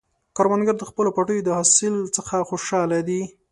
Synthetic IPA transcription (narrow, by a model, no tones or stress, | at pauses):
kaɾwanɡaɾd̪əxpəlopɑʈəjod̪əhɑsɪlt͡səxaxoʃɑlad̪i